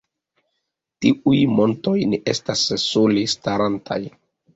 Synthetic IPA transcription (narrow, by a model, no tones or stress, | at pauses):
tiʔujmo̞nto̞jneʔe̞̰stasːulestaɾantʰa̰j